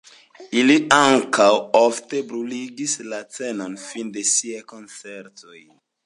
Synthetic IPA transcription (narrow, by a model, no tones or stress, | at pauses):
iliaŋkawofte̞bɾuliɡislat͡seno̞nfinde̞siajko̞nt͡se̞ɾto̞j